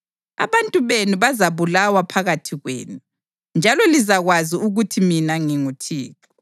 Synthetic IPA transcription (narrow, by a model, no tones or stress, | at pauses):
a̰βantʼuβenuβazaβulawapʰaɣatʰiɣwḛːnu | nd͡ʒʱalɔlizaɣwaziuɣutʰiminaŋiŋutʰiːkɔɔ